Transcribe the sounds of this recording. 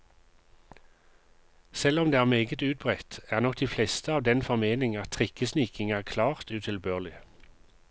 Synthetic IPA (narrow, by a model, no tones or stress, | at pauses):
sɛlɔmd̪eːæːʁmeːɡət̪ʉːt̪̚bʁɛt̪æːʁnɔk̚d̪̥iːflɛst̪əɑːʋd̪ɛnfɔʁmeːnɪŋɑt̪ʰʁɪkəsniːkɪŋæːʁkʰlɑːʁt̪ʉːt̪ʰɪlbøːʁlɪ